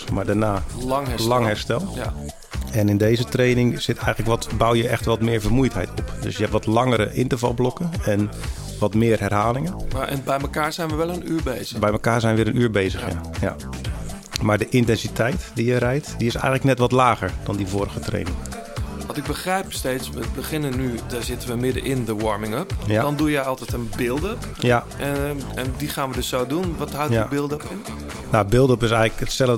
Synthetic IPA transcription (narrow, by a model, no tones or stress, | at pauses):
maːɹdaːnaːŋlɑŋɦɛɹstɛlˠ | ɛnɪndejzətrejnɪŋz̥ɪtʰɛjɣənləkʋɔtbawjəʔɛxtʋɔtmɪːɹvərmujtɦɛjtʰɔpdɵ̰sjəɦɛptʋɔtlɑŋəɾəʔɪntəvɑ̰lˠblɔkənɛn | ʋɔtmɪːrɦɛrɦaːlɪŋənɛnbɛjməkaːɹzɛjnʋəʋɛlənyːɹbejzəbɛjməkaːɹzɛjnʋɪːɾənyːɹbejzəxja̰ja̰ | maɹdəʔɪntɛnsitʰɛjtdijəɾɛjtdiɪsɛ̰jɣəŋtləknɛtʋɔtlaːɣəɹd̥ɔndivoɾəɣətrḛːnɪŋ | ʋɔntɪɡ̚bəxrɛjpsteːtsʋətbəχɪnənːydaːɹzɪtəʋəmɪdəʔɪndəwɔɹmɪŋəpjadɔndujɛjɔlˠtɛtənbɪlˠdəp | ja | ɛndixaːnʋədɵsːowdunʋɔtɦawjbɪlˠdəpɪn | nabɪlˠdəpɪs̬ɛjɣləkətsɛlə